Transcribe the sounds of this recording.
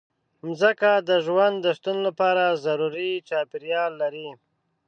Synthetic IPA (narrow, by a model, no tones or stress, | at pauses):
mzəkad̪əʒwand̪dːəʃt̪unolapɑɾazaɾuɾit͡ʃɑpɪɾjɑlːaɾi